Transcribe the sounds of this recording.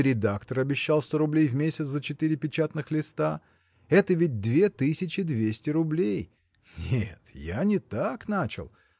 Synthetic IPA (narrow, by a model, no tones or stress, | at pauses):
ɾʲɪd̪akt̪əɾɐbʲɪɕːalˠst̪oɾʊblʲejvmʲesʲɪt̪szət͡ɕɪt̪ɨɾʲɪpʲɪt͡ɕat̪nɨxlʲɪst̪a | ɛt̪əvʲɪd̚ʲd̪vʲe̞t̪ɨsʲɪt͡ɕɪd̪vʲesʲtʲɪɾʊblʲej | nʲet̪ja̰nʲɪt̪aknat͡ɕɪ̰lˠ